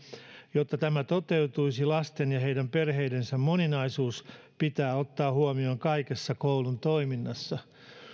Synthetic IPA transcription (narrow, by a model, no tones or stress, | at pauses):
jot̪ːɑt̪æmæt̪ot̪e̞ut̪uisilɑst̪enjɑɦe̞idæmperɦeijdensæmmoninɑisuːspit̪æːot̪ːɑːhuomioːŋkɑikesːɑkoulunt̪oiminːɑsːɑ